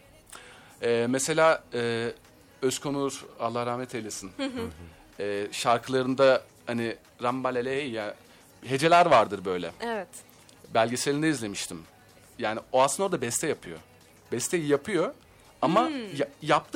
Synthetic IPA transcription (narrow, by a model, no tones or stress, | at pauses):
ɛːmese̞lʲaːɛː | øskʰo̞nualˠːahɾahmɛt̪ʰelʲesin | ɛːʃaɾkʰɯlˠaɾɯnd̪a | hani | ɾambalʲelʲeejja | ɦe̞d͡ʒe̞lʲæɾvaɾd̪ɯɾbø̞jlʲɛ̰ɛvɛt̪ | bælʲɟe̞selʲind̪ɛizlʲe̞miʃt̪ʰim | jaːnioasɯnod̪abɛst̪ʰɛjapʰɯjo̰ | bɛst̪ʰɛjijapʰɯjo̞ | amajap̚t̪ʰɯ